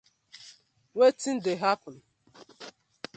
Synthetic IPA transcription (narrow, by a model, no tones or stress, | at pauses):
wetin̩deɦapɔn